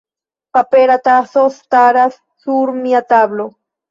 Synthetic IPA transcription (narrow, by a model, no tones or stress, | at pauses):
papeɾat̪asost̪aɾasːuɾmiat̪ablo